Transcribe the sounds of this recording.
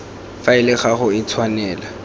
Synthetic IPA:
faɪlɪχaχʊɪt͡sʰwanɛːla

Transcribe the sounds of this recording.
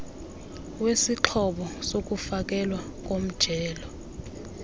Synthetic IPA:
wesiǁʰɔɓɔsok̬ʼufak̬ʼɛlwa | k̬ʼom̩d̥ʒ̥ʱɛːlɔ

